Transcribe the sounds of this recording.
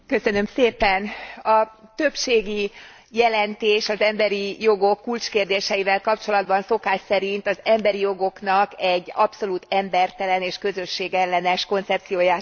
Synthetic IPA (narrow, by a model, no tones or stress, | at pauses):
kø̞sø̞nø̞mseːpɛnɒt̪ø̞pʃeːɡi | jɛlɛnt̪eːʃɒzɛmbɛɾijo̞ɡo̞kːult͡ʃkeːrd̪eːʃɛjivɛlkɒpt͡ʃo̞lɒd̪bɒnso̞kaːʃsɛɾint̪ɒzɛmbɛɾijo̞ɡo̞knɒkɛɟːɒpso̞luːt̪ɛmbɛrt̪ɛlɛneːʃkø̞zø̞ʃːeːɡɛlːɛnɛʃko̞nt̪sɛp̚t̪sijoːjaː